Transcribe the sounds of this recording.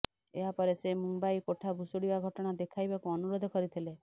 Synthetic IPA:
eɦapɔɾesemumbajkoʈʰabʱusuɽibaɡʱɔʈɔɽ̃ad̪ekʰajbakuɔnuɾod̪ʱɔkɔɾit̪ʰile

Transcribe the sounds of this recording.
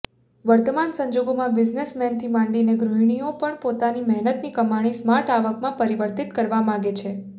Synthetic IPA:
ʋəɾt̪əmansə̃ɲd͡ʒoɡomãbɪd͡ʒnesmɛnt̪ʰimãɳɖineɡɾuɦiɳ̃iopəɳpot̪animɛɦnət̪nikəmaɽ̃ismaɾʈaʋəkmãpəɾiʋəɾt̪it̪kəɾʋamãɡet͡ʃʰe

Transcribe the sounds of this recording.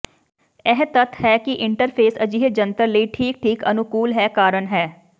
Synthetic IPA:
ɛɦt̪ət̪ʰɦɛːkiʔɪ̃ɳʈəɾpʰeːsɐd͡ʒiɦed͡ʒə̃nt̪əɾləiʈʰiːk̚ʈʰiːkɐnʊkuːlɦɛːkaːɾənɦɛː

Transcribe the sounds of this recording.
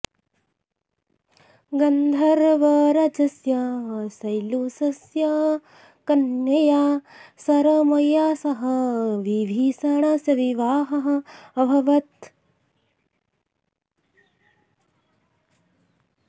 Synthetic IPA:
ɡɐnd̪ʱɐɾʋɐɾɐd͡ʒɐsjaːsɐjlusɐsja | kɐnjɐjaːsɐɾɐmɐjaːsɐɦɐʋibʱiːsaːɳaːsjɐʋiʋaːɦɐɦɐ̆ɐbʱɐʋɐt̪̚

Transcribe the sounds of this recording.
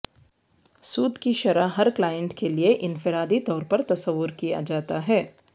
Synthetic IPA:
suːd̪kiʃɐɾaɦɐɾklaːjə̃ɳʈkelieʔɪnfɪɾaːd̪it̪ɔːɾpɐɾt̪ɐsəʋːʊɾkija̰d͡ʒaːt̪aɦɛː

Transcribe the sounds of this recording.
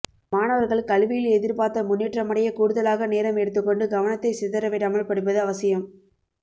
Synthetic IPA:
maːnɐʋɐɾɣɐɭkɐɭʋɪjɪlɛðɪɾpaːɾt̪ːɐmʊnːiːʈrɐmɐɽɐjɐkuːɽɯðɐlaːɣɐneːɾɐmɛɽɯt̪̬ːɯkːɔɳɖɯɡɐʋɐnɐt̪ːɐɪsɪðɐɾɐʋeːɾaːmɐɭpɐɽɯp̬ːɐðɯɐʋɐsɪjɐm

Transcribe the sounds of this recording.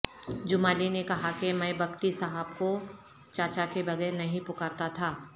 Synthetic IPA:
d͡ʒʊmaːlinekɐɦakemɛ̃ːbɐkʈisɐɦəbko | t͡ʃaːt͡ʃakebɐɡɛːɾnɐɦĩpʊkəɾt̪at̪ʰaː

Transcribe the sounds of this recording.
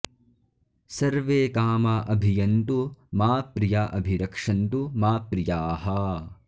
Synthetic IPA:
sɐɾʋeːkaːmaʔɐbʱijɐnt̪umaːpɾijaʔɐbʱiɾɐkʂɐnt̪umaːpɾijaːɦɐ

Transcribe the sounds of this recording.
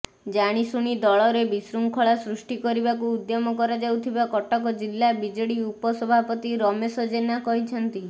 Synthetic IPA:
d͡ʒaɽ̃isuɽ̃id̪ɔɭɔɾebisɾuŋkʰɔɭasɾusʈikɔɾibakuːd̪jɔmɔkɔɾad͡ʒawt̪ʰibakɔʈɔkɔd͡ʒilːabid͡ʒɔɽiupɔsɔbʱapɔt̪iɾɔmesɔd͡ʒenakɔɦit͡ʃʰɔnt̪i

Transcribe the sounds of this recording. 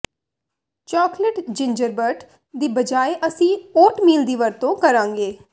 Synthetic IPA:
t͡ʃɔːkləʈd͡ʒɪɲd͡ʒəɾbəɾʈ | d̪iːbəd͡ʒaːeʔəsĩːoːʈmiːld̪iːʋəɾt̪õːkəɾãːŋɡeː

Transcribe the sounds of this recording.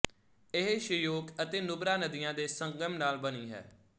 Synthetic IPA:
ɪɦʃəjoːkət̪eːnʊbɾaːnəd̪ɪjãːd̪eːsəŋɡəmnaːlbəniːɦɛ̰ː

